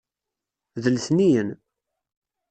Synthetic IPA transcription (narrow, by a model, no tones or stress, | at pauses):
ðəlθnijən